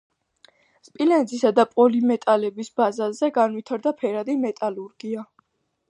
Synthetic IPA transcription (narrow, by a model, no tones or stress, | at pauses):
spʼilɛnzisad̪apʼɔlimɛt̪ʼalɛbisbazazɛɡanwit̪ʰaɾd̪apʰɛɾad̪imɛt̪ʼaluɾɡ̥ia